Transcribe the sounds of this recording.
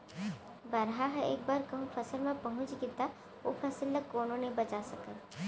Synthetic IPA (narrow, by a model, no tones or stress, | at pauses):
bɐɾɦaɦɛḛːk̚baːɾkɐɦũfɐsəlmẽpɐɦʊ̃t͡ʃɡɪt̪a | ʊ̰fʰɐsɪlːəkoːnõnẽbɐt͡ʃasɐkəl